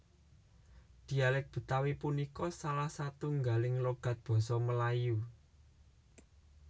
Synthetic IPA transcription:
d̪̥i̤alɛk̚b̥ṳt̪awipunikɔsalahsat̪uŋɡalɪŋloɡ̥a̤t̪̚b̥ɔ̤sɔməlaju

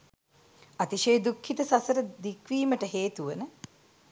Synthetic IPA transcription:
at̪iʃejːd̪ukʰːit̪əsasəɾəd̪ikʋiːməʈəɦeːt̪uʋənə

